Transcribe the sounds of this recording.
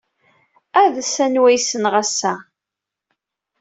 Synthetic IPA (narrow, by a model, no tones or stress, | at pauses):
æðsænwæjsənʁæsːæ